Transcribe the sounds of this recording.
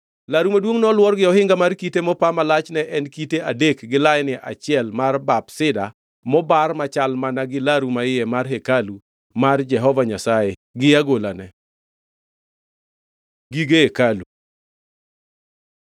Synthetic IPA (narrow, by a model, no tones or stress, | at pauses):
laɾumadwoŋnɔlwɔrɡɪɔhɪŋɡamarkitemɔpamalat͡ʃnɛʔɛnkiteadekɡɪlaɪnɪʔa̰t͡ʃɪɛlmarbabsɪda | mɔbarmat͡ʃalmanaɡɪlaɾumaɪjɛmarɦekalu | mard͡ʒɛɦɔvaɲasaeɡɪaɡolanɛ | ɡiɡeekalu